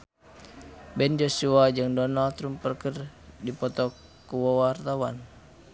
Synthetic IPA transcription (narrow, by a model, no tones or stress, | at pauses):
bɛnd͡ʒosuad͡ʒɨŋdɔnalt̪ɾumpərkərdipɔt̪ɔkː | uwɔwart̪awan